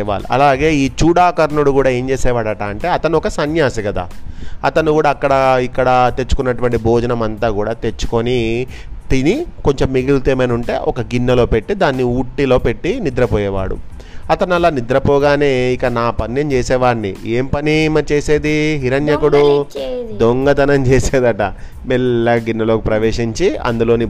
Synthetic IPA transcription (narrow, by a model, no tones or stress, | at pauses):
ʋa̰ːɽṵʔɐ̰laːɡe̞ːiːt͡ʃuːɽaːkɐɾɐnuɽukuːɽaːe̞ːɲt͡ʃeːsɛːʋaːɽɐʈaɐɳʈe̞ːɐt̪ɐnuɔkɐsɐnjaːsɐkɐd̪a̰ːɐt̪ɐnukuːɽaːkːɐɽɐikːɐɽɐt̪et͡ʃːu̥kunːɐʈuʋɐɳʈiboːd͡ʒɐnɐmɐnt̪aːkuːɽaːt̪e̞t͡ʃːu̥koni | t̪iniko̞ɲt͡ʃemːiɡilt̪eːmɐnuɳʈe̞̰ːʔɔkɐɡinːɐlo̞ːpe̞ʈːid̪aːnːiuːʈːilo̞ːpe̞ʈːinid̪ɾɐpɔːjɛːʋa̰ːɽṵ | ɐt̪ɐnɐlaːnid̪ɾɐpɔːɡaːne̞ːikːanaːpɐnːjɐmt͡ʃeːsɛːʋaːɾnḭeːmpɐnimɐɾit͡ʃeːseːd̪iɦiɾɐnjɐkuɽu | d̪oŋɡɐd̪ɐnɐmt͡ʃeːseːd̪ɐʈɐ̰ | mɛlːɐɡinːɐlo̞ːkipɾɐʋeːʂiɲt͡ʃiɐ̰nd̪ulo̞ːni